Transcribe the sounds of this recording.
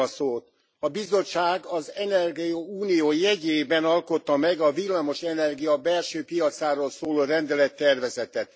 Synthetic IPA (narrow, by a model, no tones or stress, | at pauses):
ɒsoːt̪ | ɒbizo̞ːaːɡɒzɛnɛrɡiɒuːnijoːjɛɟeːbɛnɒlko̞t̪ːɒmɛɡɒvilːamo̞ʃɛnɛrɡijɒbɛlʃøːpijɒt̪saːɾoːlsoːloːrɛnd̪ɛlɛt̪ːɛrvɛzɛt̪ɛt̪